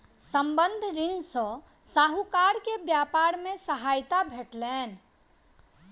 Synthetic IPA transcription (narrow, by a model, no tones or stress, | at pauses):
səmbənd̪ʱɾinsə̃ | saɦukaɾkebjapaɾmẽsəɦajt̪abʱeʈlɛːn